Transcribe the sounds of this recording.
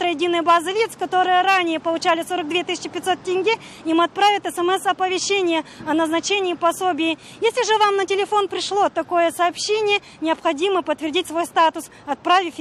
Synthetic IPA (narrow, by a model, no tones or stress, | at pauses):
t̪ɾəjɪdʲinəjəbazɨvʲit̪skɐt̪o̞ɾɨjəɾanʲɪjəpəlˠʊt͡ɕælʲɪso̞ɾək̚d̪vʲet̪ɨsʲɪ̥t͡ɕːɪpʲɪt̪so̞t̪̚tʲɪnʲɡʲi | jimɐt̪̚pɾavʲɪt̪ɛsɛmɛsɐpəvʲɪɕːenʲɪjəɐnəznɐt͡ɕenʲɪːpɐsobʲɪjɪ | jesʲlʲɪʐɨvamnətʲɪlʲɪfo̞npɾʲɪʂlˠo̞t̪ɐko̞jəsɐːpɕːenʲɪjə | nʲɪɐpxɐdʲiməpət̪ːvʲɪrdʲitʲsvo̞jst̪at̪ʊs | ɐt̪̚pɾavʲɪfʲ